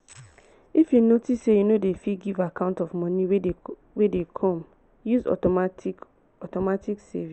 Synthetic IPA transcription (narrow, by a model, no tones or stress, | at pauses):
ifjunotissejunodefiɡivakʰãʊ̃ntɔvmɔ̃nĩw | wedekʰɔ̃m | juzɔ̰ | ɔtɔmatiksɛ̰vi